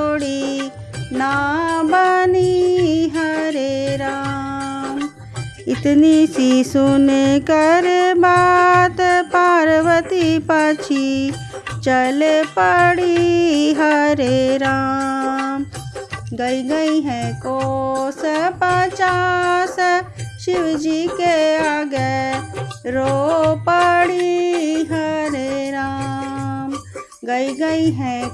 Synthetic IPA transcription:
oɽi | nabaniɦɐɾeɾa | m | ɪt̪nisisʊnekɐɾebaːt̪paːɾəʋət̪ipaːt͡ʃʰi | t͡ʃɐlepɐɽiɦɐɾeɾaːm | ɡɐiɡɐiɦɛ̃kospaːt͡ʃaːsʃɪʋd͡ʒikeaːɡe | ɾopɐɽiɦɐɾeɾaːm | ɡɐiɡɐiɦɛ̃

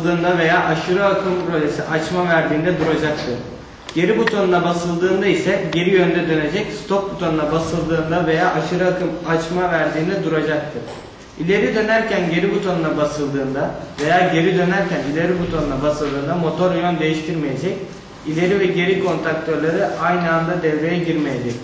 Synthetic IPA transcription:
d̪ɯːnd̪ave̞jaːʔaʃɯɾɯakʰɯmpɾo̞ʒesiʔat͡ʃmavæɾd̪iːnd̪ɛd̪uɾad͡ʒak̚t̪ʰɯɾ | ɟ̥e̞ɾibut̪ʰo̞nunˠabasɯlˠd̪ɯːnd̪aisɛɟe̞ɾijø̞nd̪ɛd̪ø̞ne̞d͡ʒɛcst̪ʰok̚but̪ʰo̞nunˠabasɯlˠd̪ɯːnd̪ave̞jaːʔaʃɯɾɯakɯmat͡ʃmavæɾd̪iːnd̪ɛd̪uɾad͡ʒak̚t̪ʰɯɾ̥ | ilʲe̞ɾid̪ø̞næɾcænɟe̞ɾibut̪ʰo̞nunˠabasɯlˠd̪ɯːnd̪ave̞jaːɟe̞ɾid̪ø̞næɾcʰænilʲe̞ɾibut̪ʰo̞nunˠabasɯlˠd̪ɯːnd̪amo̞t̪ʰo̞ɾjond̪e̞jiʃt̪ʰiɾme̞je̞d͡ʒɛc | ilʲe̞ɾivɛɟe̞ɾikʰo̞nt̪ʰɾak̚t̪ʰø̞ɾlʲˠaɾɯajnɯand̪ad̪ɛvɾe̞jɛɟiɾmejed͡ʒ̪ɛc

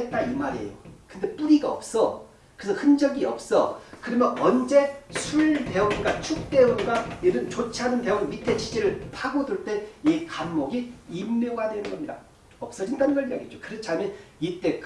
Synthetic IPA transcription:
et̚t͈aimaɾiejokɯnde̞p͈uɾiɡaʌ̰p̚s͈ʌ | kɯsʰʌhɯnd͡ʑʌɡiʌp̚s͈ʌkɯɾʌmjʌnʌnd͡ʑe̞sʰuɭte̞uŋɡat͡ɕʰuk̚t͈e̞uŋɡaeɾɯnt͡ɕot͡ɕʰanɯnte̞uŋmitʰe̞t͡ɕid͡ʑiɾɯɭpʰaɡoduɭt͈e̞ikamːoɡiimːoɡadwe̞nɯnɡʌmɲida | ʌp̚s͈ʌd͡ʑindanɯnɡʌɭija̰ɡid͡ʑokɯɾʌt͡ɕʰiamjʌnit͈e̞k

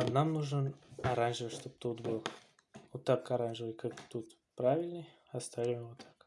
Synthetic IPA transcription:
namnuʐənɐɾanʐɨvəʂt̪op̚t̪ut̪bɨlˠ | ot̪ːakkɐɾanʐɨvəkakt̪ut̪ | pɾavʲɪlʲnəj | ɐst̪avʲɪmʲəvot̪ʰḁk

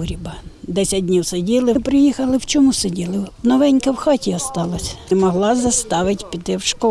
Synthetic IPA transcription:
ɾʲibɐd̪ɛsʲɐd̚ʲdʲnʲiwsedʲilˠɪpɾɪjixɐlˠɪwt͡ʃɔmusedʲilˠɪnɔʋɛnʲkɐwxɑtʲiɔst̪ɑlˠɐsʲmɔɦlˠɑzɐst̪ɑʋɪtʲpʲit̪ɪwʃkɔ

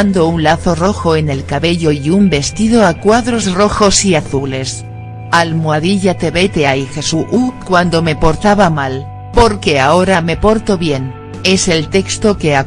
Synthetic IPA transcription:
nd̪o̞unlaθo̞ro̞xo̞e̞ne̞lkaβe̞ʎo̞iumbe̞st̪iðo̞akwaðɾo̞zro̞xo̞siaθule̞s | almwaðiʎat̪e̞βe̞t̪e̞aixe̞suʔukwand̪o̞me̞po̞ɾt̪aβamal | po̞ɾkeao̞ɾame̞po̞ɾt̪o̞βje̞n | e̞se̞lt̪e̞kst̪o̞ke̞a

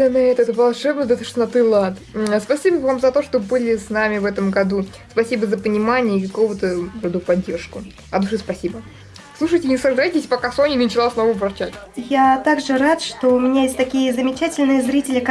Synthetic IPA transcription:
ɐnɨɛt̪ɛt̪əvɐlˠʂɛbnəd̪ət̪ɨʂnɐt̪ɨlˠat̪spɐsʲibəvamzɐt̪o̞ʂt̪obɨlʲɪsnamʲɪvɛt̪əmɡɐd̪u | spɐsʲibəzəpənʲɪmanʲɪjəɪkɐko̞vət̪əɾɐd̪upɐdʲːe̞rʂkʊ | ɐd̪uʂɨspɐsʲibə | slˠuʂɨjtʲɪnʲɪsɐʐd̪ajtʲɪsʲpɐkasonʲɪnt͡ɕɪlˠasnovəvɐrt͡ɕatʲjat̪aɡʐɨɾat̪ʂt̪oʊmʲɪnʲajesʲtʲt̪ɐkʲijəzəmʲɪt͡ɕætʲɪlʲnɨjəzɾʲitʲɪlʲɪk

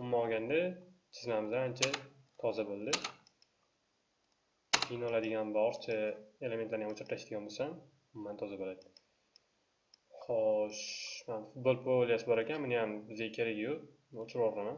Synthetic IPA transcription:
ʊmːaɒɡʲand̪at͡ʃʰɪznamɪzaant͡ʃʰat̪ʰɒzabolˠd̪ɪ | inɒlad̪ɪɡʲanbɒɾt͡ʃʰaele̞met̪laɾɪjamt͡ʃʰɪɾt̪ʰaʃd̪ɪɡanbosan | ʊmːant̪ʰɒzabolad̪ɪ̥ | χɒʃmanfʊt̪̚bolˠpʰolijasɪbɒɾakʲanmɪnɪjamɪzajkʲʰeɾaɡʲjʊ | not͡ʃʰɪɾɒɾlaman

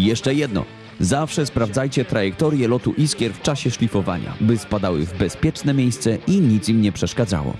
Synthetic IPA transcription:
jɛʂt͡ʂɛjɛd̪nɔ̰ | zafʂɛspɾavd̪zajt͡ɕɛt̪ɾajɛk̚t̪ɔɾʲjɛlɔt̪uʔiskʲjɛɾft͡ʂaɕɛʂlʲifɔva̰ɲa̰bɘspad̪awɘ̰vbɛspʲjɛt͡ʂnɛmʲjejst̪sɛʔiɲit̪simɲɛpʂɛʂkad̪za̰wɔ̰

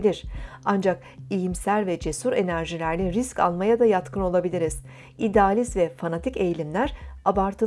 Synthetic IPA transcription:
lʲiɾ̥and͡ʒak̚ | ijimsælʲvɛd͡ʒe̞suɾe̞næɾʒilʲæɾlʲɛɾisca̰lˠmajad̪ajat̪kʰɯno̞lˠabilʲiɾiz̥ | id̪ɛalʲizvɛfanat̪ʰice̞jlʲimlʲæɾabaɾt̪ʰɯ

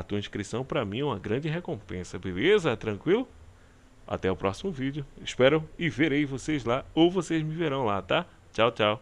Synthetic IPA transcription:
ɐt̪uɐĩskɾisɐ̃w̃pɾɐmĩɛũmɐɡɾɐ̃d͡ʒɪɦekõpẽsɐbelezɐt̪ɾɐ̃kwilʊ | a̰t̪ɛʊpɾɔsimʊvid͡ʒjʊɪʃpɛɾʊɪveɾejvosezlaowvosezmɪveɾɐ̃w̃lat̪a | t͡ʃawt͡ʃaw

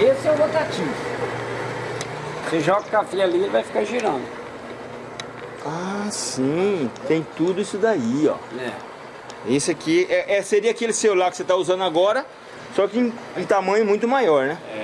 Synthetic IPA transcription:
esɪɛũbot̪at͡ʃivʊ | seʒɔɡɐkafialilvajfi̥kaɾʒiɾɐ̃nd̪ʊ | asĩt̪ẽj̃t̪ud̪ʊisʊd̪aiɔ̰ɛ | esɪakʰiɛʔɛseɾiɐakelɪsewlakɪ̥set̪auzɐ̃nd̪ʊaɡɔɾɐ | sɔkɪẽ | ẽt̪amɐ̃ɲʊmũj̃t̪ʊmajɔɾnɛɛ

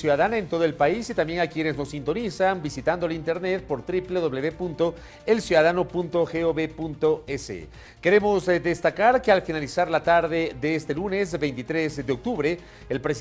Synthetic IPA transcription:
sjuðaðanaent̪o̞ð̞oe̞lpaisit̪ambje̞ŋakje̞ne̞zno̞sint̪o̞nisambisit̪and̪olint̪e̞ɾne̞t̪̚po̞ɾt̪ɾipleðo̞βle̞βepunt̪o̞ | elsjuðaðano̞punt̪o̞xeoβepunt̪o̞esḛ | ke̞ɾe̞mo̞zd̪e̞st̪akaɾkealfinalisaɾlat̪aɾðe̞ðeest̪elune̞zbe̞jnt̪it̪ɾe̞zd̪eo̞k̚t̪uβɾe̞ | elpɾes

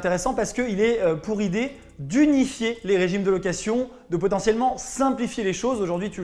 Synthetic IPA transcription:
t̪eʁesɑ̃paʁsə̥kəilɛøpuʁid̪e | d̪ynifjeleʁeʒimd̪əlɔk̬asjɔ̃ | d̪əpɔt̪ɑ̃sjɛlmɑ̃sɛ̃plifjeleʃozoʒuʁd̪ɥit̪y

